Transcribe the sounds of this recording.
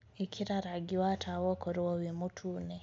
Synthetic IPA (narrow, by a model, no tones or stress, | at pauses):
ikʰiɾaɾaɡiwatʰawɔkɔɾuwɔwimutʰunɛ